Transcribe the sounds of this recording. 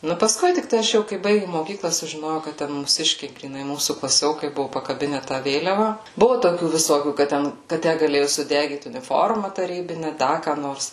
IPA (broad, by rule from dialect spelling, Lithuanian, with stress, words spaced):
ˈnʊ pɐˈskʊɪ tʲɪkˈtɐɪ ɐʃ ˈjɛʊ kɐɪ ˈbɐɪɡʲɪm moːˈkʲiːklˠɐ sʊʒʲɪˈnoːjɛʊ kɐt ˈtʲɛn muːˈsʲɪʃʲkʲɛɪ ɡrʲiːˈnɐɪ ˈmuːsuː klˠɐˈsʲoːkɐɪ ˈbʊʋʊ pɐkɐˈbʲɪnʲɛ tɑː ˈʋʲeːlʲɛʋɐ ˈbʊʋʊ toːˈkʲuː ʋʲɪˈsoːkʲuː kɐt ˈtʲɛn kɐ ˈtʲæ ɡɐˈlʲeːjʊ sʊˈdʲæːɡʲiːt ʊnʲɪˈfoːrmɐ tɐˈrʲiːbʲɪnʲɛ ˈdɐ kɑː ˈnoːrs